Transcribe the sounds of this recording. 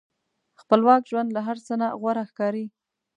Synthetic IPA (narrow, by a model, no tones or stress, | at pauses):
xpəlwɑkʒwand̪laɦaɾt͡sənaɣwaɾaxkɑɾi